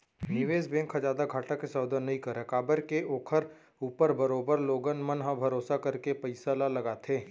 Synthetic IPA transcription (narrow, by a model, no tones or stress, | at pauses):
nɪʋeːsbẽːŋkʰːad͡ʒaːd̪aɡʱaːʈakesɔːd̪ənːɐɦĩkɐɾeːkaːbəɾkeoːkʰəɾ | uːpəɾbɐɾoːbəɾloːɡənmənɦãbʱɐɾoːsakɐɾkepɐɪsalalɐɡaːt̪ʰeː